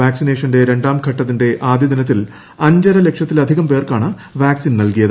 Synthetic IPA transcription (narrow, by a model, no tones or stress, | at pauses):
aːksine̞ːʂɐnde̞ɾe̞ɳɖaːmkʰɐʈːɐt̪ːinde̞ʔaːd̪jɐd̪inɐt̪̬ːil | ɐɲd͡ʑɐɾɐle̞kʂjɐt̪ːilɐd̪ʱiɣɐmpe̞ːrkaːɳɨ | ʋaːksinnɐlkijɐðɨ